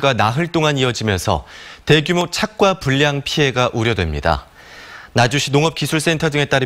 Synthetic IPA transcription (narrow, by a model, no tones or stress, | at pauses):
ɡanaɦɯɭt͈oŋaniʌd͡ʑimjʌnsʰʌ̰te̞ɡjumot͡ɕʰak̚k͈wapuʎːjaŋpʰiɦe̞ɡaʔuɾjʌdwe̞̰mɲida̰ | nad͡ʑuɕʰinoŋʌp̚kisʰuɭs͈e̞ntʰʌd͡ʑɯŋe̞t͈aɾɯ